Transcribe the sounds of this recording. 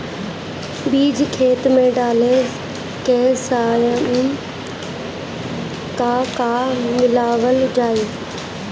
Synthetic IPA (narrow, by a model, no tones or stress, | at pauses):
biːd͡ʑkʰeːt̪mẽɖaːle | keːsaːjm | kakamɪlaːʋəld͡ʑaːiː